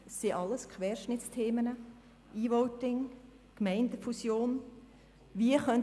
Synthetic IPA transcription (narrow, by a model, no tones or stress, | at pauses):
sːiʔɑlːəskχʋɛːɾʃnɪt͡stʰeːmənə | iːʋɔʊtɪŋ | kmɛɪndəfusjoːn | ʋiəχœn